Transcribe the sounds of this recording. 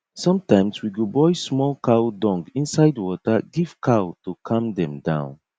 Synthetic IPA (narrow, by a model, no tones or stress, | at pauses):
sʌ̃mtãɪ̃mswiɡobɔɪsmɔlkʰaʊdɔ̃ŋɡĩnsaɪdwɔtəɡiv̥kʰaotukʰʌ̃mdɛ̃mdãʊ̃n